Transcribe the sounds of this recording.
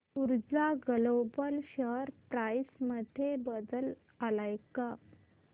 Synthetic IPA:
uɾd͡zaɡəlobəlɕəɾpɾajsməd̪ʱebəd̪əl | əlajka

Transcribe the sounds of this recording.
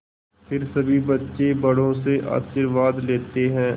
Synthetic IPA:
pʰɪɾsɐbʱibɐtːʃebɐɽ̤õseʔa̰ːʃɪɾʋaːd̪leːt̪eɦɛ̃ː

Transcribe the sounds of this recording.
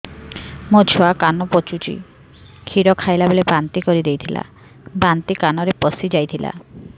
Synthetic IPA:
mod͡ʒʰʱoakanɔpot͡ʃut͡ʃḭ | kʰiɾɔkʰajlabelebant̪ikɔɾid̪ejt̪ʰila̰ | bant̪ikanɔɾepɔsid͡ʒajt̪ʰila̰

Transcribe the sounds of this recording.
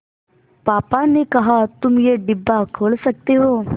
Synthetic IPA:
paːpanekɐɦaːt̪ʊmjeːɖɪbːakʰoːlsək̚t̪eɦoː

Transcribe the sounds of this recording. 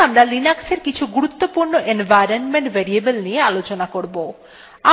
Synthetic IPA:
amɾalinakseɾkit͡ɕʰuɡuɾut̪ːopuɾnoʔenvʱajɾonmeɳʈveɾiebelnijealot͡ɕonakoɾbo | a

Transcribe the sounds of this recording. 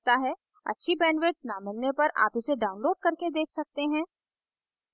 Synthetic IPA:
t̪aɦɛ | ɐ̰tːʃʰibɛ̃ːɳʋɪʈ̚naːmɪlnepɐɾa̰ːpɪseɖaːʊ̃nloːɖ̚kɐɾked̪eːkʰsɐk̚t̪eɦɛ̃ː

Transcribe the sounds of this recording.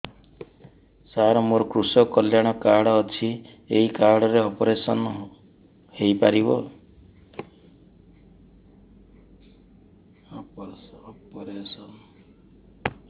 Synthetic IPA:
saɾɔmoɾɔkɾusɔkɔljaɽ̃ɔkaɽɔːt͡ʃʰi | eɦikaɾɽɔɾeɔpɔɾesɔn | hejpaɾibɔ̰ | ɔpɔɾesɔn

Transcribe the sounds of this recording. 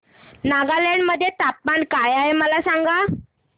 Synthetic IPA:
naɡaleɳɖməd̪ʱːjet̪ap̚mankajaɦeməlasaŋɡa

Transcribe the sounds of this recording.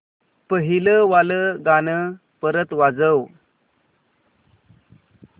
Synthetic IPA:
pəɦiləʋaləɡanə | pəɾət̪ʋad͡zəw

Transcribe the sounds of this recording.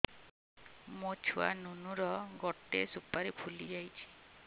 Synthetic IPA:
mot͡ʃʰua̰nunuɾɔɡɔʈesupaɾepʰulid͡ʒajt͡ʃʰi̥

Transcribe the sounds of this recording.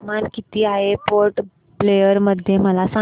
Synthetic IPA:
mankit̪iːaepoɾʈ | plejəɾməd̪ʱjeməlasa

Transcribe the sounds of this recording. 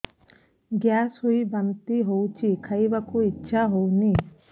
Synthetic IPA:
ɡjasɦuibant̪iɦowt͡ʃʰikʰajbakuitːʃʰaɦowni

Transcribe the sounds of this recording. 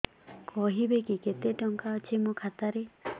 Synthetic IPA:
kɔɦibekiket̪eʈɔŋkaɔt͡ʃʰimukʰat̪aɾe

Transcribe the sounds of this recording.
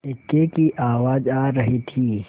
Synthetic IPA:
ɪkːekiʔaːʋaːd͡ʒaːɐɦit̪ʰiː

